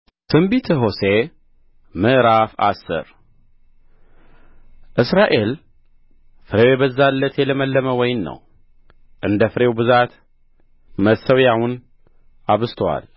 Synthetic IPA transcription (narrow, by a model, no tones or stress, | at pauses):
t̪ʰɨmbit̪ʰəɦo̞se | mɨʔɾafa̰sːɨ̰ɾ | ʔɨsɾaʔe̞l | fɨɾewjɛbəzːalːət̪jɛləməlːəməwɔjɪnːə̰w | ʔɨnd̪əfɨɾe̞wbɨzat̪ | məsəwjahun | ʔaβɨst̪ʰwa̰l